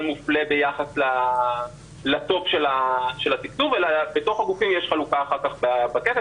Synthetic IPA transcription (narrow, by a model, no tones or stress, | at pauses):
lmufle̞be̞jaχasla | lat̪o̞pʃelaʃe̞lat̪iktuvelabet̪o̞χaɡufimjeʃχalukaːχaʁkaχbabakete